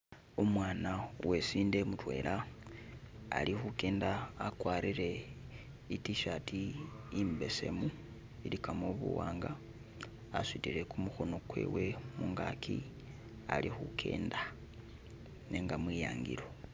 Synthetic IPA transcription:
omwaːnawe̞siːndemutwe̞̰ːlʔa | lixuke̞ːndaːkwaɾiɾe̞ | itiʃatʰiː | mbe̞se̞̰mu | ilikamoβṵwaːŋɡaː | switiɾe̞kumuxo̞no̞kwe̞̰ːwe̞muŋɡa̰kʰi | a̰lixukʰe̞̰ːnda | ne̞ŋɡamwija̰ːŋɡḭɾo̞

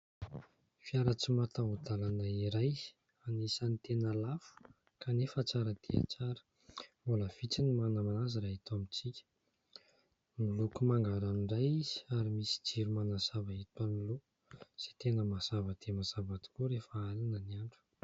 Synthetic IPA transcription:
fiaɾat͡simat̪aɦud̪alanaiɾaj | anisanit̪enəlafu̥ | kanefət͡saɾəd̪̥ea̰t͡saɾə̥ | mbuləv̥it͡sinimanəmanaziɾaɦit̪amit͡sikʲə̥ | milukumaŋɡaɾaniɳɖ͡ʐajiz̥i̥aɾimisi̥d͡ʒiɾumanaz̥avaɦit̪anilu | z̥et̪enəmaz̥avəd̪̥emaz̥avad̪i̥kuɾefaalanəniaɳɖ͡ʐu̥

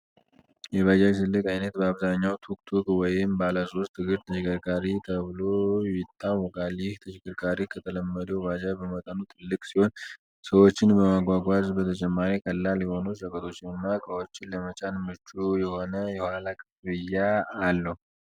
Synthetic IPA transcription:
jɛβad͡ʒajsɨlːɨkʼajnət̪bəaβzaɲːawt̪ʰuk̚ʼt̪ʰukʼwɔjɪmbalasost̪ʰɨɡɨɾt̪ʰəʃɪkʼɨɾkʼaɾit̪ʰəβɨlo̞jɪt̪ʰːawːɔkʼaljɪht̪ʰəʃɪkʼɨɾkʼaɾikʰət̪ʰələmːəd̪əwβad͡ʒabəmət̪ʼənut̪ʰɨlːɨkʼsiho̞n | səwo̞t͡ʃːɪnbəmaɡʷaɡʷazbət̪ʰət͡ʃʼɛmːaɾikʼəlːaljɛho̞nusəkʼət̪ʰo̞t͡ʃːɪnɨnːakʼəwot͡ʃːɪnləmət͡ʃʼanmɨt͡ʃʼujɛho̞nəjɛhhalakʼɨbɨjːaːlːəhu

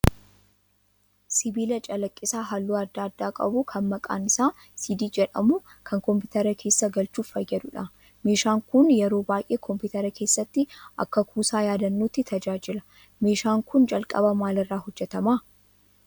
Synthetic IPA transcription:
sɪbiːlɐt͡ʃʼɐlɐkʼːɪsaːɦɐlːuːɐd̪ːaːd̪ːaːkʼɐ̰bukʰɐnmɐkʼa̰ːnɪsaː | siːd̪iːd͡ʒɛᶑɐmʊkʰɐŋkɔmpɪt̪ɐɾɐkʰe̞ːsːɐɡɐlt͡ʃuːffɐjːɐd̪ʊᶑɐ | me̞ːʃaːŋkʊnjɛɾo̞ːbaːjʔeːkʰɔmpɪt̪ɐɾɐkʰe̞ːsːɐt̪ːɪʔɐ̰kːɐkʰuːsaːjaːd̪ɐnːoːt̪ːɪt̪ʰɐd͡ʒaːd͡ʒɪlɐ̥ | me̞ːʃaːŋkʊnd͡ʒɐlkʼɐ̰bɐmaːlɪrːaːhɔd͡ʒːɛt̪ɐmaː

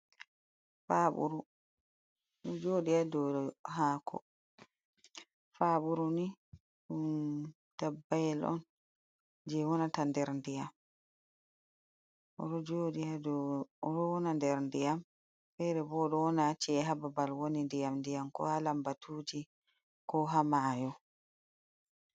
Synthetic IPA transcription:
faɓṵɾu | d͡ʒoɗiadɔɔɦaːkʰɔ̰ | faɓuɾuni | ɗun | tabːajɛlʔɔ̰n | d͡ʒɛwɔnatandɛɾndijam | ʔɔ̰ɾɔd͡ʒoɗiadɔɾɔwɔnandɛɾndijam | fɛɾɛbɔːɗɔwɔnat͡ʃiɛɦababalwonindijamndijamkɔ̰halambatʰuːd͡ʒi | kɔɦamaːjɔ

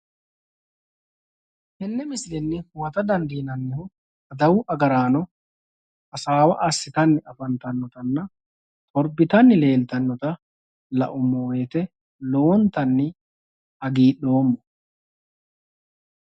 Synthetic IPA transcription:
hɛnːɛmɪslɛnːɪhʊwɐt̪ɐd̪ɐnd̪iːnɐnːɛhʊ | ɐd̪ɐwʊʔɐɡɐɾaːnɔ | ɐsaːwɐ̰ʔɐsːɪt̪ɐnːɪʔɐfɐnt̪ɐnːɔt̪ɐnːɐ | t̪ʼɔɾbɪt̪ɐnːɪle̞ːlt̪ɐnːɔt̪ɐ | lɐ̰ʔʊmːoːeːt̪ɛ | loːnt̪ɐnːɪ | ɐɡiːɗo̞ːmːɔ

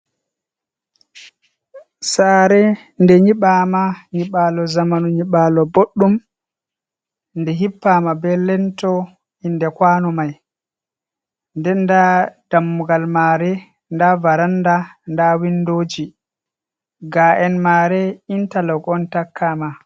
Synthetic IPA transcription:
saːɾɛ | ndɛɲiɓaːmaɲiɓaːlɔzamanuɲiɓalɔboɗːum | ndɛɦipːamabɛlɛntɔ | indɛkwaːnɔmaj | ndɛndad̥amːuɡalmaːɾɛ | ndavaɾandandawindoːd͡ʒi | ɡaʔɛnmaɾɛintalɔɡɔntakʰːama

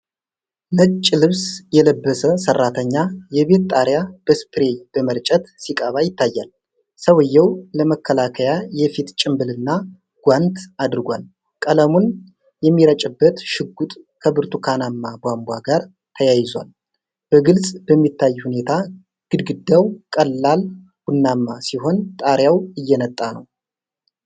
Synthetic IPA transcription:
nət͡ʃʼːlɨβsjɛləbːəsəsərːat̪ʰəɲːajɛβe̞t̪t̪ʼaɾjab̥əspʰʼɾe̞b̥əməɾt͡ʃʼət̪sikʼəβajɪt̪ʰːajːal | səwɨjːɛwləməkʰːəlakʰəjajɛfit̪t͡ʃʼɪmbɨlɨnːa | ɡ̥ʷant̪ad̪ɨɾɡʷal | kʼələmun | jɛmːiɾət͡ʃʼɨbːət̪ʃɨɡːut̪ʼkʰəbɨɾt̪ʰukʰanamːaɡʷambʷaɡaɾ | t̪ʰəjajɪzwa̰l | b̥əɡɨlsʼbəmːit̪ʰːajːhune̞t̪ʰa | ɡ̥ɨd̪ɡɨd̪ːawkʼəlːal | wunːamːasiɦo̞nt̪ʼaɾjawɨjːɛnət̪ʼːanə̰w

